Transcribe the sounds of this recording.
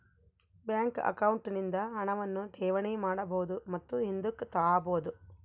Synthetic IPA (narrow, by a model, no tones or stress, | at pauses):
bjaːŋkɐ̰kɐwɳʈnind̪ɐɦɐɳɐʋɐnːuʈʰɛːʋɐɳimaːɽɐbɐwud̪umɐt̪ːuɦind̪ukt̪aːaːboːud̪u